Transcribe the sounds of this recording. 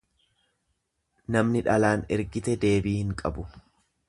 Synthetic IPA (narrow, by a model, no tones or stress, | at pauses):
nɐmnɪᶑɐlaːnɛɾɡɪt̪ɛd̪e̞ːbiːhɪŋkʼɐbʊ